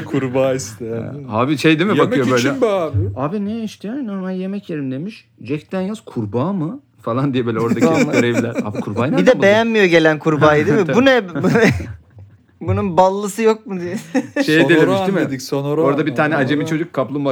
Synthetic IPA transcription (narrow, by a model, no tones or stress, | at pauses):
kʰuɾbaːist̪ʰea̰haːbiʃe̞jd̪imibakmɯjo̞bø̞jlʲɛbaːbɪaːbinɛiʃt̪ʰɛjajno̞ɾmalʲje̞mɛcjeɾimd̪e̞miʃ | d͡ʒɛct̪ʰænjaz̥kʰuɾbaːmɯ | falˠand̪ijɛbelʲɛo̞ɾdd̪aɡøɾevlʲæɾa̰ːbikʰuɾbaːjnid̪ɛmbe̞jjænmijo̞ɟe̞lʲænkʰuɾbaːid̪imibunɛ | bununbalˠːɯsɯjo̞k̚mud̪ijɛʃejd̪eleiʃd̪imid̪icsonoɾo̞ɾad̪abit̪ʰaːnɛad͡ʒemit͡ʃʰo̞d͡ʒuk̚ʰːaplˠumba